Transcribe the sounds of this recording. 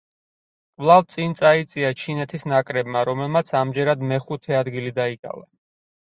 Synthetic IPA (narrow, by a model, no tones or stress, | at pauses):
kʼvlˠavt̪sʼint̪sʼait̪sʼiat͡ʃʰinɛt̪ʰisnakʼɾɛbmaɾɔmɛlˠmat̪sʰamd͡ʒɛɾad̪mɛχut̪ʰɛad̪ɡilid̪aikʼa̰va̰